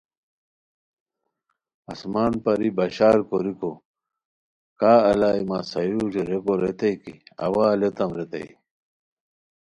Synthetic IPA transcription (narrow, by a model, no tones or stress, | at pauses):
ɐsmaːnpɐɾibɐɕaːɾkoɾiko | kaːɐlaːimasɐjud͡ʑoɾekoɾet̪ɐjkḭɐ̰waːlet̪ɐmɾet̪ḛi